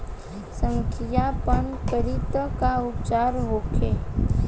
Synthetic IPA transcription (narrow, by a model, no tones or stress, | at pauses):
sə̃ŋkʰijapənkəɾit̪əkaʊp̚t͡ʃaːɾɦokʰeː